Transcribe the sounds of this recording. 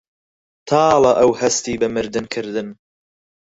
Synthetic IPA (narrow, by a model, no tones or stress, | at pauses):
t̪ʰɑːlˠɐʔɐwhɐst̪iːbɨmɨɾd̪ɨnkʰɨɾd̪ɨn